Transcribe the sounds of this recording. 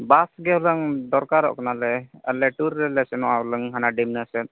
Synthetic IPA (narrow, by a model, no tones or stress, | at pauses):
basɡɛɔləŋd̪ɔɾkaɾɔ̰ʔkɔnalɛalɛʈuɾːɛlɛsɛnɔʔaɔləŋɦanaɖimnɯsɛt̪̚